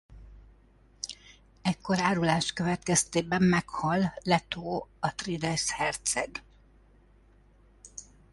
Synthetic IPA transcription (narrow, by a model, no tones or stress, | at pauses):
ɛcko̞ɾaːɾulaːʃkø̞vɛt̪kɛst̪eːbɛmːɛkhɒlːɛt̪oːɒt̪rid̪ɛshɛrt̪sɛɡ